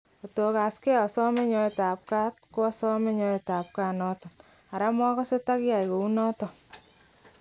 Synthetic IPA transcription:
o˨to˨ka˨skɛ˦ɔ˨sɔ˦me˦ɲɔ˦e˨taː˨p̚ka˦t̚ko˦ɔ˦sɔ˦me˦ɲɔ˧e˨ta˨p̚ka˦nɔ˦tɔ˨n | a˨ɾa˦mɔ˦kɔ˦se˦ta˦kja˨jko˨u˦nɔ˦tɔ˨

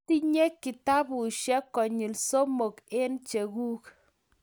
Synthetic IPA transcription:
ti˦ɲe˦kːi˨ta˦bu˨ʃɛ˦kːɔ˨ɲi˨lso˦mo˨ke˦nt͡ʃe˨ɡu˦k

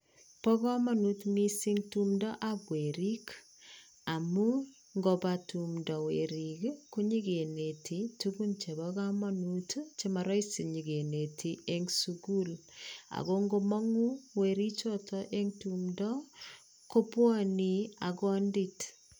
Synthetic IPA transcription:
pɔ˦kɔ˦ma˦nutmi˦si˦ŋtu˦mdɔ˦ʔabwe˨ɾi˦k | a˨mu˦ | ŋɡo˨ba˨tu˨mdɔ˨we˨ɾikku˦ɲi˦ɡe˨ne˨tʰi˨tu˦ku˦nt͡ʃe˨bɔɣa˦mɔ˦nutt͡ʃe˦ma˨ɾɔ˦i˦si˨ɲi˨ɡe˨ne˨tʰi˨e˦ŋsuɡu˦la̰˨ɣo˦ŋɡo˦mɔ˦ŋu˦we˨ɾi˦t͡ʃɔ˦tʰɔʔe˦ŋtumdɔ˦ | ko˦pwɔ˦nia˨kɔ˦ndi˦t

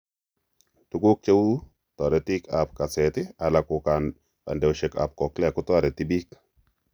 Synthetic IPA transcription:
tu˦ɡu˦k̚t͡ʃe˦wu˦ | tɔ˨ɾe˨ti˦ka˨p̚ka˨sɛ˨tɪ˦a˨la˨ku˨kan | a̰˨ndɛ˨wʃɛ˨ka̰˨p̚kɔ˨klɛ˦˨ku˦tɔ˦ɾɛ˨ti˦bi˦k

